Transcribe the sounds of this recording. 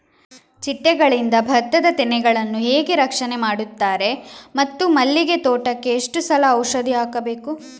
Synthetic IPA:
t͡ʃiʈːɛɡɐɭind̪ɐbʱɐt̪ːɐd̪ɐt̪inɛɡɐɭɐnːuɦeːɡe̞ɾɐkʂɐnemaːɽut̪ːaːɾe̞mɐt̪ːumɐlːiɡe̞t̪oːʈɐkːe̞ːʂʈusɐlɐɐwʂɐd̪ʱiaːkɐbeːku

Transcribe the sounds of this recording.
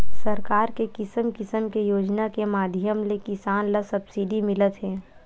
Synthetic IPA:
sɐɾkaːɾkekɪsəmkɪsəmkejoːd͡ʒnakemaːd̪ʱjəmlekɪsaːnləsɐbsiɖimɪlət̪ɦɛː

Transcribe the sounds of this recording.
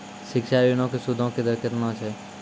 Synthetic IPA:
ʃɪkʃajinõkesʊd̪ʱõked̪əɾkət̪nõt͡ʃʰeː

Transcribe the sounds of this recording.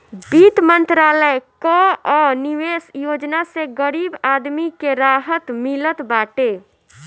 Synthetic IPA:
bit̪mənt̪ɾaːləjkɔɔniʋesjod͡ʒnaseɡəɾibad̪mikeɾaɦət̪milət̪baʈe

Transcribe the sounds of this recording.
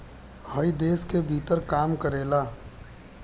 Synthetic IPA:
həid̪eːskebʱit̪əɾkaːmkəɾeːla

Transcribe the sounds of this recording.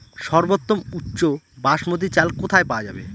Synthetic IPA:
ʃɔɾbot̪ːomutːɕo | baʃmot̪̬it͡ɕalkot̪ʰaepawad͡ʑa̰bḛ

